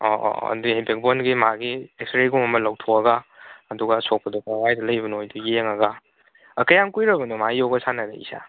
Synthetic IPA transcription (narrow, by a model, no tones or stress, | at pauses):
ɔ̰ɐ̰duhebek̚bonɡimaɡiekstɾeɡuŋɐmɐlawtʰoɐɡaɐduɡasok̚pɐdɔkawajdɐlɐjbɐnojdujeŋɐɡaː | kɐjaŋkujɾɐbɐnɔmaijɔwɡɐsanɐda̰ḭsa̰